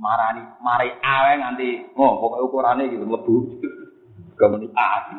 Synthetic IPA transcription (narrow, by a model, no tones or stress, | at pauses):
maɾanimaɾaiʔawɛŋant̪iŋopɔkɔukuɾaneɡit̪ənləb̥ṳ | ɡ̥ɔ̤mənut̪a